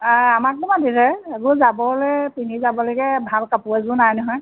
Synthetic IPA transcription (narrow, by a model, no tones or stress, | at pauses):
aamak̚bɔmadisɛeɡɔzabɔlɛjpinizabɔlɔjɡɛbʱalkapuazʊnajnɔɦɔj